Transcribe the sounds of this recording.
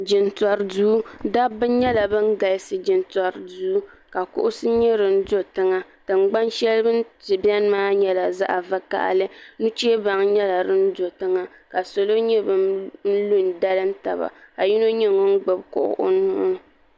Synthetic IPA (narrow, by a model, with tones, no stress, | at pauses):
d͡ʒɪ˨ntɔ˨ɾduː˦da˦bɨ˦ɲɛ˦la˨bɨ˦ŋ˦ɡa˨lsɨ˨d͡ʒɪ˨nta˨ɾduː˦ | ka˨kʊ̰˦ʔʊ˦sɨ˦ɲɛ˦ɾɨ˨n̩˦do˦tɨ˦ŋa˨ | tɨ˨ŋ͡mɡ͡ba˦nʃɛ˦lbɨ˦tɨ˨ba˦n˦maː˦ɲɛ˦la˨za̰˦ʔa˨va˦ka̰˦ʔlɨ˦nu˦t͡ʃe˦ba˨ŋɲɛ˦la˨ɾɨ˦n̩˦do˨tɨ˦ŋa˨ | ka˨so˨lo˦ɲɛ˦bɨ˨n̩˦lu˦˨nda˦lɨ˦n̩˦ta̰˨ba̰˨ka˨ji˦no˦ɲɪ˦ŋo˦n̩˦ɡ͡bʊ˨b̚kʊ̰˨ʔʊ̰˦˨ʔʊ̰˦nʊ˦ʔʊ˦